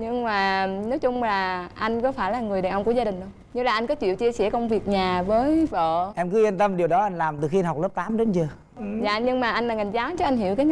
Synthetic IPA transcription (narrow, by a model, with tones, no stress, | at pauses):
ɲɨ˧ŋmaː˨˩nɔ˨˦jt͡ɕʊ˧ŋ͡mlaː˨˩ʔa˧jŋ̟kɔ˨˦faː˧˩jlaː˨˩ŋɨ˨˩əja˨˩ʔwŋ͡mku˧˩əzaː˧ɗï˨˩ŋ̟ɗə˧˩ | ɲɨ˧laː˨˩ʔa˧jŋkɔ˨˦t͡ɕḭ˧˨wt͡ɕi˧əsɛ˧˩kə˧wŋ͡mvi˨˩ək̚ɲaː˨˩vəː˨˦jvo̰˧˨ʔɛ˧mkɨ˨˦i˧nt̪ə˧mɗi˨˩əwɗɔ˨˦ʔa˧jŋ̟laː˨˩mt̪ɨ˨˩xi˧ɦk͡p̚ləː˦˥p̚t̪aː˨˦mɗe˨˦nzəː˨˩ | za̰ː˧˨ɲɨ˧ŋmaː˨˩ʔa˧jŋlaː˨˩ŋa˨˩ŋzaː˨˦wt͡ɕɔ˧ʔa˧jŋ̟ɦi˧˩əwkaː˨˦˧